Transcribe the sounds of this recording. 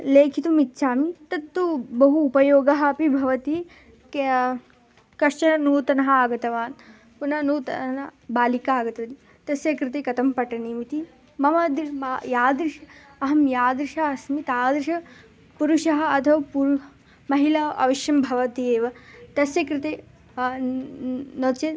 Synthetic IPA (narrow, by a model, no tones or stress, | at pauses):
leːkʰit̪umit̪ːʃʰaːmit̪ɐt̪ːubɐɦuːpɐjoːɡɐɦɐɐpibʱɐʋɐt̪i | k | kɐʂt͡ʃɐnɐnuːt̪ɐnɐɦɐaːɡɐt̪ɐʋaːn | punɐnuːt̪ɐnɐbaːlikaːɡɐt̪ɐɐt̪i | t̪ɐsjɐkɾɪt̪eːkɐt̪ɐmpɐʈɐniːmit̪i | mɐmɐd̪majaːd̪ɾiʃɐ | ɐɦɐmjaːd̪ɾiʃɐɐsmit̪aːd̪ɾɪʃɐ | puɾuʃɐɦɐ̆ɐt̪ʰɐʋɐpuɾ | mɐɦilɐɐ̰ʋɐʃjɐmbʱɐʋɐt̪ieːʋɐt̪ɐsjɐkɾɪt̪eː | noːt͡ʃe